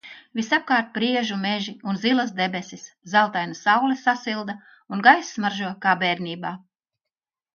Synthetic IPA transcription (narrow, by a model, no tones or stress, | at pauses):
visap̚kaːɾt̪̚pɾiɛʒumeʒiunzilˠas̬d̪ebesiszalˠt̪ajnasawlɛsasilˠd̪a | unɡajsːmaɾʒuɔkaːbɛːɾnʲiːbaː